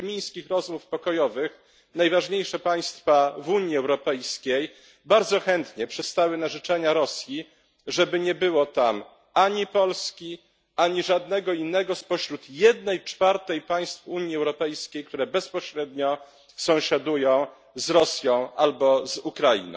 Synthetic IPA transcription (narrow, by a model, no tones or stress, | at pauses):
mʲij̃skʲixɾɔzmufpɔkɔjɔvɘx | najvaʐɲejʂɛpaj̃st̪favuɲiɛwɾɔpɛjskʲej | baɾd̪zɔxɛnt̪ɲɛpʂɛst̪awɘnaʐɘt͡ʂɛɲaɾɔsʲji | ʐɛbɘɲɛbɘwɔt̪am | aɲipɔlskʲi | aɲiʐad̪nɛɡɔinːɛɡɔspɔɕɾut̪jɛd̪nɛjt͡ʂfaɾt̪ɛjpaj̃st̪fuɲjiɛwɾɔpɛjskʲejkt̪uɾɛbɛspɔɕɾɛd̪ɲɔ | sɔ̃w̃ɕad̪ujɔ̃w̃ | zɾɔsʲjɔ̃w̃ʔalbɔzukɾajḭnɔ̰̃w̃